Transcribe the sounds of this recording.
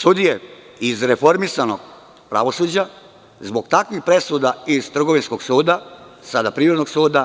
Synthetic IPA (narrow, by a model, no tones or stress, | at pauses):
sud̪ije̞ | izɾe̞fo̞ɾmisano̞ɡ | pɾa̰ʋo̞suːd͡ʑa | zbo̞ɡt̪akʋixpɾe̞sud̪aiz̥t̪r̩ɡo̞ʋinsko̞ɡsuːd̪asad̪apɾiːɾod̪no̞ɡsuːd̪a